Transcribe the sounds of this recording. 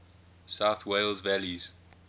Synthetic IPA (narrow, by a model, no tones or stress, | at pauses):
saʊθweɪlzvæliz̥